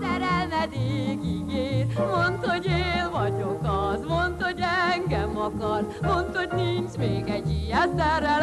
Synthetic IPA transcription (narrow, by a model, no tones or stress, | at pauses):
sɛɾɛlvɛd̪eːɡiɡeːɾmont̪ho̞ɟeːlvɒɟokɒzmont̪ho̞ɟɛŋɡɛmɒkɒrmo̞nt̪ho̞ɟnint͡ʃmeːɡɛɟːiɛsɛrːɛl